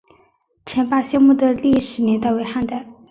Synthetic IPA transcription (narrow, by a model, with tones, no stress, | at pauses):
t͡ɕʰjɛ˧˥npa˥˧ɕjɛ˥˧nmu˥˩d̪ə˩li˥˩ʂɻ̩˨˧˥njɛ˧˥nt̪a˥˩we˧˥xa˥˧nt̪a˥˩